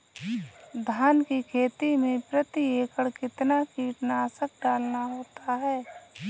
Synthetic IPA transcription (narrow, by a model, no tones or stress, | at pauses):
d̪ʱaːnkikʰeːt̪imẽpɾət̪ieːkəɽkɪt̪nakiːʈnaːsək̚ɖaːlnaɦoːt̪aɦɛː